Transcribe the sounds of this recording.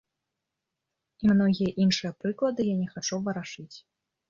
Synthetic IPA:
imnɔɣʲijɐʔinʂɨjɐpɾɨklˠɐd̪ɨjanʲɛxat͡ʂuwvɐɾaʂɨt͡sʲ

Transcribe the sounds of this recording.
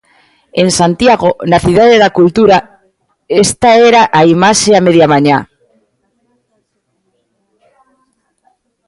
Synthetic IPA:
ensant̪jaɣ̞onaθiðaðeðakult̪uɾa | est̪aeɾaʔaimaʃeameð̞jamaɲa

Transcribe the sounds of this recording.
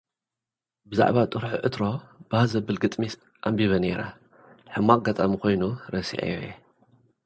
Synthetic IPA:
bɨza̰ʕβat̪ʼɨɾħṵʔɨt̪ɾo̞bahazɐbɨlɡɨt̪ʼmis | ʔambiβɐneɾa̰ | ħɨmːak̚ʼɡɐt̪ʼamikʰo̞jnuɾɐsḭʕḛjojḛ

